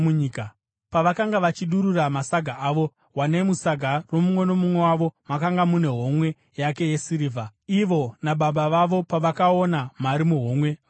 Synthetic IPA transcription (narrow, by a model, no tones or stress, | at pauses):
uɲika | paʋakaŋɡaʋat͡ʃiɗuɾuramasaɡʱaaːʋo̞ | wane̞musaɡʱaro̞mumwe̞no̞mumwe̞waʋo̞makaŋɡamune̞ɦo̞mwe̞ | jake̞je̞siɾiːvʱaiʋo̞naɓaɓaʋaʋo̞paʋakao̞namaɾimuɦo̞ːmwe̞